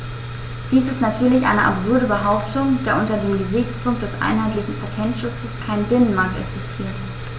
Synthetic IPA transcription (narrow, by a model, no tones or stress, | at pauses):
d̥iːsɪstnatʰyːɐlɪçʔa̰ɪnəʔa̰pz̥ʊɐɾəbəɦaʊptʰʊŋd̥aːɐʔʊntɐdeːmɡəzɪçt͡spʰʊŋk̚t̚d̥ɛsʔa̰ɪnɦaɪtlɪçn̩pʰatʰɛntʃʊt͡səskʰaɪnbɪnənmaɐk̚tɛ̰ksɪstʰiːɐt